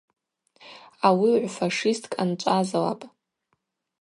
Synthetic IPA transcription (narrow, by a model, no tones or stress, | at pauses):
awiʕʷfaʂistʼkʼant͡ʃʷʼazawa̰pʼ